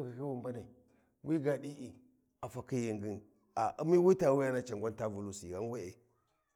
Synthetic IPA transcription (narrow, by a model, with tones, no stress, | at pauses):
ka˨ki˦wu˨mba˦na˨i˨ | wi˦ɡa˨ɗi˦ʔi˨ | a˨fa˨ki˦ji˨ŋɡi˦n | a˨ʔṵ˦mi˦wi˦ta˨wi˦ja˦na˦t͡ʃa˨ŋɡʷa˦nta˦vu˨lu˦sḭ˨ɣa˦n˦we˦e˨